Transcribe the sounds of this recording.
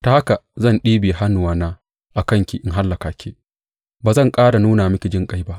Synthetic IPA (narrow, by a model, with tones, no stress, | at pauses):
ta˨ha˦ka˨zɐ˦˨nɗiː˦beː˨ɦa˦nʊ˨waː˦naː˦ | ʔa˨kɐ˦˨ŋkʲi˨ʔɪ˨ŋɦa˦lːɐ˨kaː˨kʲeː˦ | baː˨zɐ˦˨ŋkʼaː˦ɽa˨nuː˦naː˨mʊ˦kʲi˨d͡ʒɪ˦˨ŋkʼa˦jba˦ʔ